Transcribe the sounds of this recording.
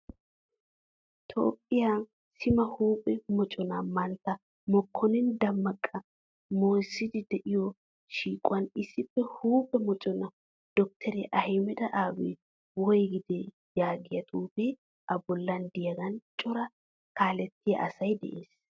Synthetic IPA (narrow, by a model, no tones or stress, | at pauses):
t̪ʰo̰ːpʼːɪja | sɪmɐhuːpʼɛmɔt͡ʃʼɔnɐmɐnt̪ːɐ | mɔkʰːɔnɪnd̪ɐmːɐkʼːɐ | moːjsːɪd̪ɪd̪ɛʔɪjɔ | ʃiːkʼʊwɐnɪsːɪpːɛhuːpʼɛmɔt͡ʃʼɔnɐ | d̪̥ɔk̚t̪ʰɛɾɛʔɐhɛmɛd̪ɐʔaːwɛ̰ | wɔjɡɪd̪ɛ | jaːɡɪjɐt̪ʼuːpɛ | ʔɐbɔlːɐnd̪ɪjɐɡɐnt͡ʃʼɔɾɐ | kaːlɛt̪ːɪjɐ̰ʔɐsɐjd̪ɛ̰ʔeːs